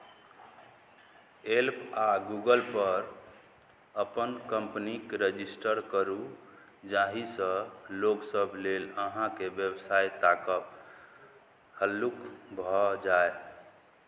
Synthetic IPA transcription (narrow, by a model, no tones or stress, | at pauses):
elpaɡuɡəlpəɾ | əpənkəmpnikɾəd͡ʒisʈəɾkəɾu | d͡ʒaɦisə̃loksəbʱleləɦãkebjəbsajt̪akəp | həlːukbʱɔd͡ʒae